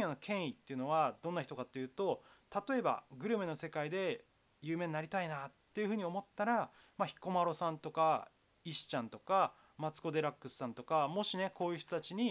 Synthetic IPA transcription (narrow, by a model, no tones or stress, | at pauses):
õjonokʰẽ̞ɰ̃it̪ːe̞jiɯ̟no̞βad̪õ̞nːaçi̥t̪o̞kat̪ːe̞jɯ̟ːt̪o̞ | t̪at̪o̞e̞ba̰ɡɯ̟ɾɯ̟me̞nose̞kaid̪e̞ | jɯ̟ːmẽ̞ɲinaɾʲit̪ainat̪ːe̞jɯ̟ɸɯ̟ːɲ̟io̞mo̞t̪ːaɾa | maçi̥ko̞maɾo̞sãnt̪o̞ka | iɕi̥t͡ɕãnt̪o̞ka | mat͡sɨ̥ko̞d̪e̞ɾakːɯsɨ̥sãnt̪o̞kamo̞ɕine̞ko̞ːjɯ̟ç̥t̪ot̪at͡ɕiɲ̟i